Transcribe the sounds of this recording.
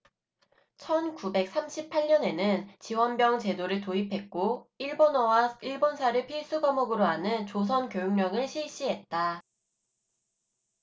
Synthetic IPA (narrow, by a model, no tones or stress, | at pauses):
t͡ɕʰʌnkube̞k̚s͈amɕʰipʰaɭɲʌne̞nɯnt͡ɕiwʌnbjʌŋt͡ɕe̞doɾɯɭtoipʰe̞k̚k͈oiɭbonwaiɭbonsʰaɾɯɭpʰis͈uɡamʌɡɯɾoɦanɯnt͡ɕos̬ʰʌnkjojoŋɲʌŋɯɭɕʰiɭɕ͈iɦe̞t̚t͈a